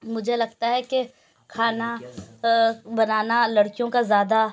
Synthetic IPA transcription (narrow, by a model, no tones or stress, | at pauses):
mʊd͡ʒʱelɐɡ̚t̪aɦɛke | kʰaːna | bɐnaːnalɐɽkijõkazjaːd̪a